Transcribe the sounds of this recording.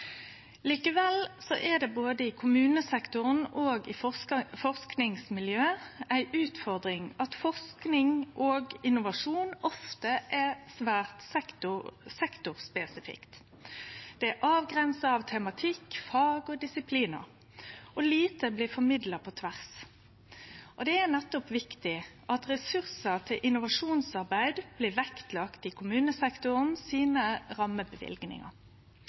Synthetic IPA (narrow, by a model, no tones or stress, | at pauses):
liːkəʋɛlsɔʔɛd̪ɛboːd̪əɪkʰʊmʉːnəsɛkt̪ʊʁənoːɡɪfɔʁsknɪŋsmɪljøːæɪʔʉːt̪fɔʁd̪ʁɪŋɑt̪fɔʁsknɪŋʔoːɡɪnʊʋɑʂuːnɔft̪əʔɛsʋæːʁt̪sʊsɛkt̪ʊʁspɛsɪfɪ̰kt̪ | d̪̥ɛæʔɑːʋɡɾɛnsɑɑʋt̪ʰɛmɑt̪ʰɪkːfɑːɡɔd̪ɪsɪpʰliːnɑ̰ | ʔɔliːt̪əblɪːfɔmɪd̪lɑpʰɔt̪ʰʋæʁs | ʔɔd̪ɛænɛt̪ːɔpʋɪkt̪ɪʔɑt̪ʁɛsʉʁsət̪ʰɪlʔɪnʊʋɑʂuːnsɑʁbæɪd̪b̥lɪːʋɛkt̪lɑkt̪ɪkʰʊmʉːnəsɛkt̪ʊʁənsiːnəʁɑməbəʋɪ̰lɡnɪ̰ŋɑ̰ɾ